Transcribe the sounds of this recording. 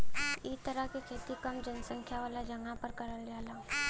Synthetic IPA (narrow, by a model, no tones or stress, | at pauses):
ɪst̪əɾəɦkekʰeːt̪ikɐmd͡ʒənsə̃ŋkʰjaʋaːlad͡ʒɐŋɡapəɾkɐɾəld͡ʒaːla